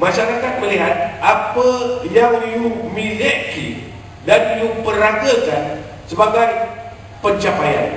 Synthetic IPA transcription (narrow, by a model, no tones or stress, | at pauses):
mãʃaɾakat̪̚məliɦat̪̚apəjaŋliumilɛʔkḭ | danliupəɾaɡəkan | səbaɡaj | pəɲt͡ʃapaja̰n